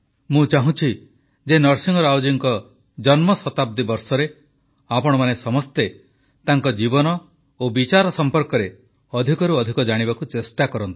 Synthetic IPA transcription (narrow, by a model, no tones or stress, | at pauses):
mũt͡ʃaɦũt͡ʃʰi | d͡ʒenɔɾsiŋɡɔɾɔawd͡ʒiŋkɔ | d͡ʒɔnmɔsɔt̪ab̚d̪ibɔɾsɔɾe | apɔɽ̃ɔmanesɔmɔst̪e | t̪aŋkɔd͡ʒibɔnɔ | obit͡ʃaɾɔsɔmpɔɾkɔɾe | ɔd̪ʱikɔɾuɔd̪ʱikɔd͡ʒaɽ̃ibakut͡ʃesʈakɔɾɔnt̪i̥